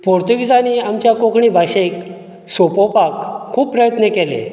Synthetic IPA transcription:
poɾt̪uɡid͡zaniamt͡ɕjakokɳibʱaɕek | sopopakʰːuːpːɾəjət̪nəkelḛ

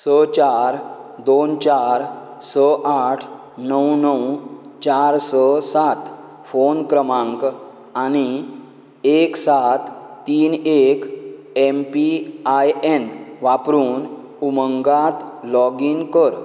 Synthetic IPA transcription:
sət͡ɕaɾd̪ont͡ɕaɾ | səʔaʈʰ | nəwnəwt͡ɕaɾsəsat̪ | fonkɾəmãŋk | añi | eksat̪ːiːnek | empiajenʋapɾuːn | uməŋɡat̪lɔɡinkəɾ

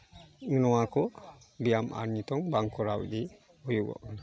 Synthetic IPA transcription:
ŋənɔwakɔ | bijamʔa̰ɾnit̪ɔŋbaŋkɔɾawḭd̪i | hɔjubɔ̰ʔn

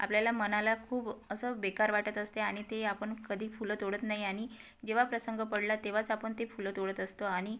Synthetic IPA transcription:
a̰pljalamənalakʰuːbəsəːbekaɾʋaʈət̪əst̪eaɽ̃it̪eapəɳkəd̪ʱiːfulət̪oɽət̪naɦiaɽ̃i | d͡ʑeʋ̤apɾəsəŋɡəpəɽlat̪eʋ̤at͡sapəɳt̪efulət̪oɽət̪əst̪oaɽ̃i

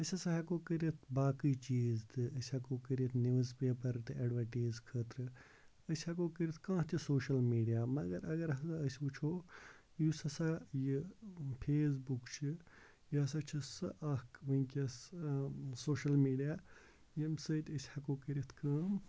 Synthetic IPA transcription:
əsʲɐsaɦɐkoːkəɾʲɐt̪ʰbaːkiːt͡ʃiːzt̪ɨəsʲhɐkoːkəɾʲit̪ʰnuːzpeːpɐɾt̪ɨɐɖʋɐʈiːzkʰəːt̪ɾɨ | əsʲhɐkoːkəɾʲit̪ʰkãːt̪ʰʲisoːʃɐlmiːɖijaːmɐɡɐɾɐɡɐɾɦɐsaɐsʲut͡ʃʰoː | jusɐsajipʰeːs̬bukt͡ʃʰi | jiɦɐsat͡ʃʰisɨʔɐkʋɐ̃kʲɐs | soːʃɐlmiːɖijaː | jɐmsəːt̪ʲəsʲhɐkoːkəɾit̪ʰkɐ̃ːm

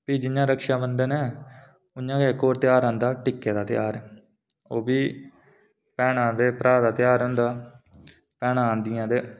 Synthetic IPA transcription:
piːd͡ʒɪnːãːɾəkʃaːbənd̪ənɛː | ʊɲːãːkekːoːɾt̪ɪjaːɾãːnd̪aːʈɪkːeːd̪aːt̪ɪjaːɾɛː | oːbiː | pɛːɽãːd̪eːpəɾʔaːd̪aːt̪ɪjaːɾɦʊ̃nd̪aː | pɛːnãːnd̪ɪjãːd̪eː

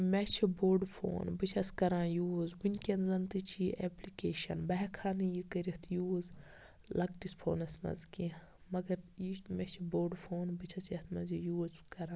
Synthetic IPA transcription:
mɛt͡ʃʰiboːɾɖfʰo̰ːnbɨt͡ʃʰɐskɐɾãːjuːzwinʲkʲenzɐnt̪ɨt͡ʃʰiʔeplikeːʃɐ̰nbɐɦɛkʰaːnijikɐɾit̪ʰjuːz | lʔɐk̚ʈispʰo̰ːnɐsmɐ̰zki | mɐɡɐɾjimɛt͡ʃʰiboːɖfʰoːnbɨt͡ʃʰɐt͡sɐt̪ʰmɐzijuːzkɐɾãː

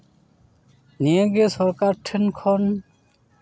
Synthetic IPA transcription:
niẽɡesɔɾkaɾʈʰenkʰɔn

